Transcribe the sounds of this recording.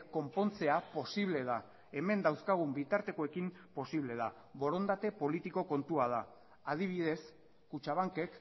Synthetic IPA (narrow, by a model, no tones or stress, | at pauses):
ko̞mpo̞nt͡se̞apo̞siβle̞ð̞a | e̞me̞nd̪awskaɣ̞umbit̪aɾt̪e̞ko̞e̞kim | po̞siβ̞le̞ð̞a | βo̞ɾo̞nd̪at̪e̞po̞lit̪iko̞ko̞nt̪uað̞a | að̞iβ̞iðe̞s | kut͡ʃaβ̞aŋke̞k